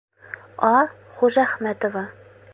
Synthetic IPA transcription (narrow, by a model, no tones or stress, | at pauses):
ɒ | χuʒæχmæt̪ovɑ